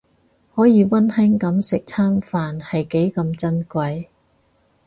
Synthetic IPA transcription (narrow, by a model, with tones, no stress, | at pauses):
hɔː˨˥jiː˨˧wɐ˥nhɛ˥ŋkɐ˨˥msɪ˨k̚t͡sʰaː˥nfaː˨nhɐ˨jke˨˥jkɐ˧mt͡sɐ˥nkʷɐ˧j